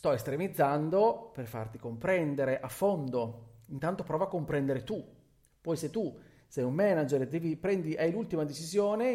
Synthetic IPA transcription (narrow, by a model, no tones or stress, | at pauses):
st̪ɔest̪ɾemid̪zːand̪operfa̰rt̪ikompɾɛnd̪eɾeʔafːond̪oint̪ant̪opɾɔːvoakːompɾɛnd̪eɾet̪u | pɔjset̪ːu | sɛjummɛnad͡ʒerd̪ɛːvipɾɛnd̪iʔajlult̪imad̪et͡ʃizjoːne